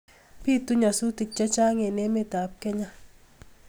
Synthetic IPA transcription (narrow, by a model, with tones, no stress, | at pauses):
pi˦t̪u˦ɲa˨su˦t̪i˨t͡ʃːa˦t͡ʃa˦ŋe˨ne˦me˦t̪a˨p̚kɛ˦ɲa˦